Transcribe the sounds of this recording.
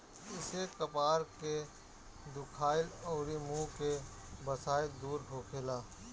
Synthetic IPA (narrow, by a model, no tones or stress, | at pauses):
ɪsekəpaːɾke | d̪ʊkʰaːɪlɔːɾimũːke | bəsaːɪld̪uːɾɖʱoːkʰeːlaː